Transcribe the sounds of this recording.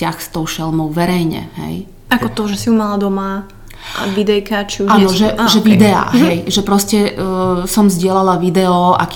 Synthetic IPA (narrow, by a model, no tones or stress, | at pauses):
axst̪ɔʊʃɛlmɔʊʋɛɾɛjɲɛ̰ɦɛ̰j | akɔt̪ɔʒɛsiumalad̪ɔma | a̰ʋid̪ɛjkat͡ʃiuaːnɔʒɛʒɛvid̪ɛa̰ːɦɛjʒɛpɾɔscɛsɔmzɟɪɛlalaʋid̪ɛɔʔa̰k